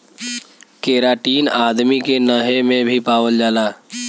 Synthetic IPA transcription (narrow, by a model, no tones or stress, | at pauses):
keːɾaːʈiːnaːd̪mikenəɦemẽbʱipaːʋəld͡ʒaːlaː